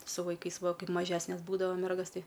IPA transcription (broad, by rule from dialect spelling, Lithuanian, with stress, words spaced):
sʊ ʋɐɪˈkɐɪs ˈʋɐ ˈkɐɪp mɐˈʒʲæːsʲnʲɛs ˈbuːdɐʋɐ ˈmʲɛrɡɐs ˈtɐɪ